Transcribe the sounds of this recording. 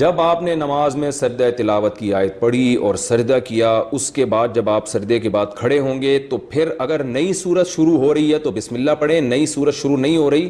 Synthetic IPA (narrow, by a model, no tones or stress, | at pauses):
d͡ʒɐbaːpnenɐmaːzmẽsɐɾd̪aet̪ɪlaːʋət̪kiaːɪt̪̚pɐɽiɔ̰ːɾsɐɾd̪akijaʊskebaːd̪̚d͡ʒɐbaːpsɐɾd̪ekebaːd̪̚kʰɐɽeɦõːŋɡet̪opʰɪɾɐɡəɾnɐisuːɾət̪ʃʊɾuɦoɾɐɦiɦɛt̪obɪsmɪlːapɐɽẽnɐisuːɾət̪ʃʊɾunɐɦĩɦoɾɐɦiː